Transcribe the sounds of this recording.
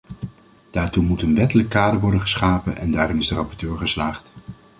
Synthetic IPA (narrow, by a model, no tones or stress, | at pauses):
d̥aːɹtumutənʋɛtələkːaːdəɹʋɔɹdəχəsχaːpənʔɛ̰ndaːrɔmɪzdərɑpɔɹtøːɹχəslaːχt